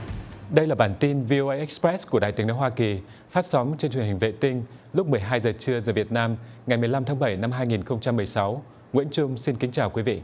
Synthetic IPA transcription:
ɗə˧jlaː˨˩ɓaː˧˩nt̪i˧nvi˧ʔo˧ʔə˧jʔɛ˦˥k̚spɾɛ˦˥ku˧˩əɗa̰ː˧˨t̪i˨˦ŋno˨˦jɦwaː˧ki˨˩ | faː˦˥t̚sɔ˨˦mt͡ɕe˧nt͡ɕwhï˨˩ŋ̟vḛ˧˨t̪ï˧ŋ̟lʊ˦˥k͡p̚mɨ˨˩əjɦaː˧jzəː˨˩t͡ɕɨ˧əzəː˨˩vi˨˩ət̚naː˧mŋa˨˩jmɨ˨˩əjla˧mt̪ʰaː˨˦ŋɓə˧˩jna˧mɦaː˧jŋi˨˩nxə˧wŋ͡mt͡ɕa˧mːɨ˨˩əjsa˨˦w | ŋwḭ˧˥ənt͡ɕʊ˧ŋ͡msi˧nki˨˦ŋ̟t͡ɕaː˨˩wkwi˨˦vḭ˧˨

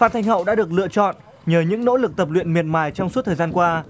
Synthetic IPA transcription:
faː˦˥t̚t̪ʰa˧jŋhə̰˧˨wɗa̰ː˧˥ɗɨ˨˩ək̚lɨ̰˧˨ət͡ɕɔ̰˧˨n | ɲəː˨˩ɲɨ̰˧˥ŋno̰˧˥lɨ˨˩k̚t̪ə˨˩p̚lwḭ˧˨ənmi˨˩ən̚maː˨˩jt͡ɕɔ˧wŋ͡msu˦˥t̪ʰəː˨˩zaː˧nkwaː˧

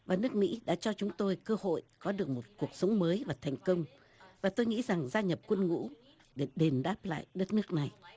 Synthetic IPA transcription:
vaː˨˩nɨ˦˥ək̚mḭ˧˥ɗa̰ː˧˥t͡ɕɔ˧t͡ɕʊ˨˦ŋ͡mt̪o˧jkəː˧ho̰˧˨jkɔ˨˦ɗɨ˨˩ək̚mo˨˩t̚ku˨˩ək̚sə˨˦wŋ͡mməː˨˦jvaː˨˩t̪ʰɛ˨˩jŋ̟kə˧wŋ͡m | vaː˨˩t̪o˧jŋḭ˧˥za˨˩ŋzaː˧ɲə˨˩p̚kwə˧nŋṵ˧˥ | ɗe˧˩ɗe˨˩nɗaː˦˥p̚la̰ː˧˨jɗə˦˥t̚nɨ˦˥ək̚na˨˩j

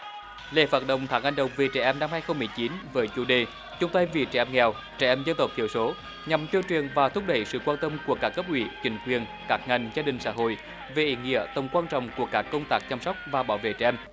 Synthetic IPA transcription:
lḛ˧˩faː˨˩t̚ɗə̰˧˨wŋ͡mt̪ʰaː˨˦ŋʔa˧jŋ̟ɗə˨˩wŋ͡mve˨˩t͡ɕɛ̰˧˩ʔɛ˧mna˧mhaː˧jxə˧wŋ͡mmɨ˨˩əjt͡ɕi˨˦nvəː˨˦jt͡ɕu˧˩ɗe˨˩ | t͡ɕʊ˨˧˦ŋ͡mt̪a˧jvi˨˩t͡ɕɛ̰˧˩ʔɛ˧mŋɛ˨˩w | t͡ɕɛ̰˧˩ʔɛ˧mzə˧nt̪ə˨˩wk͡p̚t̪ʰḭ˧˨əwso˨˦ | ɲa˨˩mt̪i˧wt͡ɕi˨˩ənvaː˨˩t̪ʰʊ˦˥k͡p̚ɗə˧˩jsɨ̰˧˨kwaː˧nt̪ə˧mku˧˩əkaː˦˥kːə˦˥p̚ʔwḭ˧˨˩t͡ɕï˨˦ŋ̟kwi˨˩ən | kaː˦˥k̚ŋa˨˩jŋ̟zaː˧ɗï˨˩ŋ̟sa̰ː˧˥ɦo̰˧˨j | ve˨˩ʔḭ˧˨˦ŋḭ˧˥ət̪ə˨˩wŋ͡mkwaː˧nt͡ɕɔ̰˧˨wŋ͡mku˧˩əkaː˦˥kːə˧wŋ͡mt̪aː˦˥k̚t͡ɕa˧msɔ˦˥k͡p̚vaː˨˩ɓaː˨˦wvḛ˧˨t͡ɕɛ̰˧ʔɛ˧m

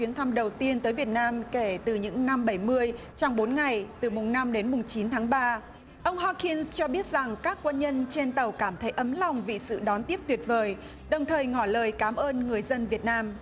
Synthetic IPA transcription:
wi˨˦ənt̪ʰa˧mɗə˨˩wt̪i˧ənt̪əː˨˦jvi˨˩ət̚naː˧mke˧˩t̪ɨ˨˩ɲɨ̰˧˥ŋna˧mɓə˧˩jmɨ˧əj | t͡ɕɔ˧wŋ͡mɓo˨˦nŋa˨˩jt̪ɨ˨˩mʊ˨˩ŋ͡mna˧mɗe˨˦nmʊ˨˩ŋ͡mt͡ɕi˨˦nt̪ʰaː˨˦ŋɓaː˧ | ʔə˧wŋ͡mɦɔ˧ki˧nst͡ɕɔ˧ɓi˦˥ət̚za˨˩ŋkaː˦˥kːwə˧nɲə˧nt͡ɕe˧nt̪ə˨˩wkaː˧˩mt̪ʰə˨˦jʔə˨˦mla˨˩wŋ͡mvḭ˧˨sɨ̰˧˨ɗɔ˨˦nt̪i˦˥əp̚t̪wi˨˩ət̚vəː˨˩j | ɗə˨˩wŋ͡mt̪ʰəː˨˩jŋɔ˧˩ləː˨˩jkaː˨˦mʔəː˧nŋɨ˨˩əjzə˧nvi˨˩ət̚naː˧m

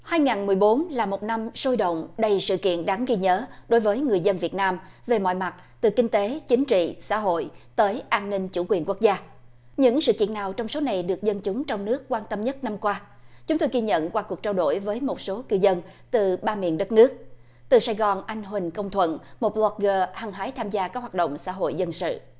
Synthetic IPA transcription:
haː˧jŋaː˨˩nmɨ˨˩əjɓo˨˦nlaː˨˩mo˨˩t̚na˧mso˧jɗə̰˧˨wŋ͡mɗə˧jsɨ̰˧˨kḭ˧˨ənɗaː˨˦ŋɣi˧ɲəː˨˦ɗo˨˦jvəː˨˦jŋɨ˨˩əjzə˧nvi˨˩ət̚naː˧mve˨˩mɔ̰˧˨jma˨˩t̚ | t̪ɨ˨˩kï˧ŋ̟t̪e˨˦t͡ɕï˨˦ŋ̟t͡ɕḭ˧˨sa̰ː˧˥ɦo̰˧˨jt̪əː˨˦jʔaː˧nːï˧ŋ̟t͡ɕṵ˧˩kwi˨˩ənku˦˥k̚zaː˧ | ɲɨ̰˧˥ŋsɨ̰˧˨kḭ˧˨ənːaː˨˩wt͡ɕɔ˧wŋ͡mso˨˦na˨˩jɗɨ˨˩ək̚zə˧nt͡ɕʊ˨˦ŋ͡mt͡ɕɔ˧wŋ͡mnɨ˦˥əkkwaː˧nt̪ə˧mɲə˦˥t̚na˧mkwaː˧ | t͡ɕʊ˨˦ŋ͡mt̪o˧jɣi˧ɲə̰˧˨nkwaː˧ku˨˩ək̚t͡ɕaː˧wɗo̰˧˩˨jvəː˨˦jmo˨˩t̚so˨˦kɨ˧zə˧nt̪ɨ˨˩ɓaː˧mḭ˧˨ənɗə˦˥t̚nɨ˦˥ək̚ | t̪ɨ˨˩saː˧jɣɔ˨˩nʔa˧jŋ̟ɦwï˨˩ŋ̟kə˧wŋ͡mt̪ʰwə̰˧˨nmo˨˩t̚lɔ˦k̚ɣəː˧haː˨˧˩ŋɦaː˨˦jt̪ʰaː˧mzaː˧kaː˦˥k̚hwa˨˩ɗə̰˧˨wŋ͡msa̰ː˧˥ɦo̰˧˨jzə˧nsɨ̰˧˨

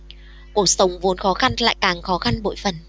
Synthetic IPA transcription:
ku˧˩ək̚sə˨˦wŋ͡mvu˨˦nxɔ˨˦xa˧nla̰ː˧˨jkaː˨˩ŋxɔ˨˦xa˧nɓo̰˧˨jfə˨˩n

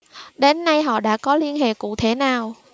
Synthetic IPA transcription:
ɗe˨˦nːa˧jɦɔ̰˧˨ɗa̰ː˧˥kɔ˨˦li˧ənɦḛ˧˨kṵ˧˨t̪ʰe˧˩naː˨˩w

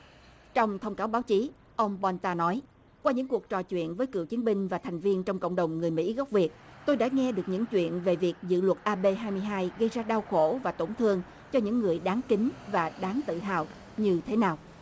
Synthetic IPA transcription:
t͡ɕɔ˧wŋ͡mt̪ʰə˧wŋ͡mkaː˨˦wɓaː˨˦wt͡ɕi˨˦ | ʔə˧wŋ͡mɓɔ˧nt̪aː˧nɔ˨˦j | kwaː˧ɲɨ̰˧˥ŋku˨˩ək̚t͡ɕɔ˨˩t͡ɕwḭ˧˨ənvəː˨˦jkɨ̰˧˨əwt͡ɕi˨˦ənɓï˧ŋ̟vaː˨˩t̪ʰɛ˨˩jŋ̟vi˧ənt͡ɕɔ˧wŋ͡mkə̰˧˨ŋ͡mɗə˨˩wŋ͡mŋɨ˨˩əjmḭ˧˥ɣa˦˥wk͡p̚vi˨˩ət̚t̪o˧jɗa̰ː˧˥ŋɛ˧ɗɨ˨˩ək̚ɲɨ̰˧˥ŋt͡ɕwḭ˧˨ənve˨˩vi˨˩ək̚zɨ̰˧˨lwə˨˩t̚ʔaː˧ɓe˧ɦaː˧jmɨ˧əjɦaː˧jɣə˧jzaː˧ɗaː˧wxo˧˥˩vaː˨˩t̪o˧˩nt̪ʰɨ˧əŋ | t͡ɕɔ˧ɲɨ̰˧˥ŋːɨ˨˩əjɗaː˨˦ŋki˨˦ŋ̟vaː˨˩ɗaː˨˦ŋt̪ɨ̰˧˨ɦa̰ː˨˩w | ɲɨ˧t̪ʰe˨˦naː˨˩w

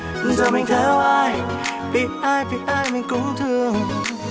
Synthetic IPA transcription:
zɔ˨˩mi˨˩ŋt̪ʰɛ˨˦wʔaː˧˩jpi˨˩ʔaː˧jpi˨˩t̚ʔaː˧jmï˨˩ŋkʊ˨˥ŋ͡mt̪ʰɨ˧˨əŋ

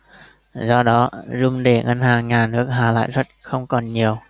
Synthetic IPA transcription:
zɔ˧ɗɔ˨˦zʊ˧ŋ͡mɗe˧˩ŋə˧nhaː˨˩ŋŋaː˨˩nnɨ˦˥ək̚ɦaː˨˩la̰ː˧˨jzə˦˥t̚xə˧wŋ͡mkɔ˨˩nɲi˨˩əw

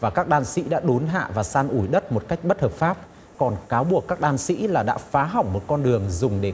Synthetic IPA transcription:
vaː˨˩kaː˦˥k̚ɗaː˧nsḭ˧˥ɗa̰ː˧˥ɗo˨˦nɦa̰ː˧˨vaː˨˩saː˧nʔu˧˩jɗə˦˥t̚mo˨˩t̚ka˦˥jk̟̚ɓə˦˥t̚həː˨˩p̚faː˦˥p̚ | kɔ˨˩nkaː˨˦wɓu˨˩əkːaː˦˥k̚ɗaː˧nsḭ˧˥laː˨˩ɗa̰ː˧˥faː˨˦ɦa˨˩wŋ͡mmo˨˩t̚kɔ˧nɗɨ˨˩əŋzʊ˨˩ŋ͡mɗe˧˩

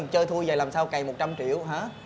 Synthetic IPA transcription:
ŋt͡ɕəː˧jt̪ʰu˧jzəː˨˩laː˨˩msaː˧wka˨˩jmo˨˩t̚t͡ɕa˧mt͡ɕḭ˧˨əwɦaː˨˦˥

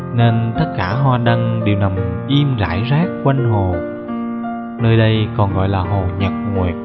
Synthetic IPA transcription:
ne˧nt̪ə˦˥t̚kaː˧˩ɦwaː˧ɗə˧ŋɗi˨˩əwna˨˩mʔi˧mza̰ː˧˩jzaː˦˥k̚kwa˧jŋɦo˨˩ | nəː˧jɗə˧jkɔ˨˩nɣɔ̰˧˨jlaː˨˩ɦo˨˩ɲə˨˩t̚ŋwi˨˩t̚

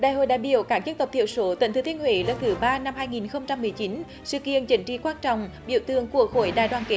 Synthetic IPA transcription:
ɗaː˧˨jho̰˧˨jɗa̰ː˧˨jɓḭ˧˨əwkaː˦˥k̚t͡ɕɨ˦˥k̚t̪ə˨˩p̚t̪ḭ˧˨əwso˨˦t̪ḭ˧˨ŋ̟t̪ɨ˨˧˦t̪ʰi˧ənhwe˨˦lə˨˦˥t̚t̪ʰɨ˨˦ɓaː˧na˧mhaː˧jŋi˨˩nxə˧wŋ͡mt͡ɕa˧mːɨ˨˩əjt͡ɕi˨˦n | sɨ̰˧˨kḭ˧˨ənt͡ɕï˨˦ŋ̟t͡ɕḭ˧˩kwaː˧nt͡ɕɔ̰˧˨wŋ͡m | ɓḭ˧˨əwt̪ɨ˧˨əŋku˧˩ək̚xo˧˩jɗa̰ː˧˨jɗwaː˨˩nke˨˦

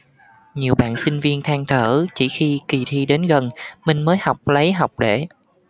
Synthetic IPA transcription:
ɲi˨˩əwɓa̰ː˧˨nsï˧ŋ̟vi˧ənt̪ʰaː˧ŋt̪ʰəː˧˩t͡ɕḭ˧˩xi˧ki˨˩t̪ʰi˧ɗe˨˦nɣə˨˩nmï˧ŋ̟məː˨˦jha˨˩wk͡p̚lə˨˦jɦa˨˩wk͡p̚ɗe˧˩

